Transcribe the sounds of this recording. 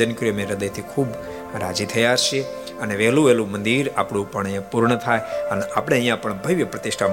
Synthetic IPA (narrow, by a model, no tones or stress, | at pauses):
ənəkɾijmẽɾəd̪əjt̪ʰikʰub | ɾa̰d͡ʒit̪ʰəjaʃe | əneʋeɦlũelũmənd̪iɾa̰pɳ̃ũpəɳəjãpuɾɳət̪ʰajənapəɽ̃eə̃ɦjãpəɳbʱəjʋjəpɾət̪iʃʈʰa